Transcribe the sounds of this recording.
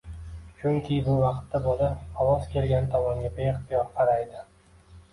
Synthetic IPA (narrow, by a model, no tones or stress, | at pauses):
t͡ʃʰʊŋkʲʰɪbʊvɑqt̪ːabolaɒwɒzkʲʰe̞lɡʲant̪ʰɒmɒŋɡʲabe̞ɪχt̪ɪjɒɾqʰɑɾajd̪ɪ